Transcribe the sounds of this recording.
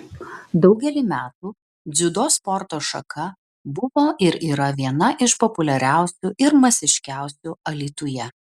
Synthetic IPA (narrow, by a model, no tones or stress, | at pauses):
d̪ɒʊɡʲɛlʲiːmʲæːt̪uː | d̪zʲʊd̪oːspɔɾt̪oːʃɐ̰kʰɐ | bʊʋoːʔɪɾiːɾɐʋʲiɛnɐʔɪʃpɔpʊlʲɛɾʲæˑʊsʲuːʔɪɾmɐsʲɪʃʲkʲæˑʊsʲuɐlʲiːt̪ʊjɛ